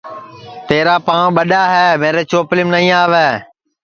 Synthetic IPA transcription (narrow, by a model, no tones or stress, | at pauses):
t̪eːɾaːpãːɓəɗaːɦɛːmẽːɾeːt͡ʃoːplɪmnəĩːaːʋeː